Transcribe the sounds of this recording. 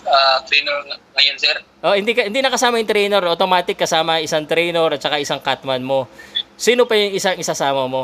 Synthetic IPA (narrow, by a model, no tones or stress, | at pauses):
ʔat̪ɾinɛɾŋŋɐjonsɛɾ | ʔohɪnd̪ikɐhɪnd̪iːnɐkɐsaːmɐjʊŋt̪ɾɛjnɛɾʔot̪omaːt̪ɪkːɐsaːmɐɐŋʔɪsaŋt̪ɾɛjnɛɾɐt̪̚t͡ʃɐkaʔɪsaŋkat̪mɐnmo̞siːnopɐjʊŋʔɪsaŋɪsasaːmɐmo̞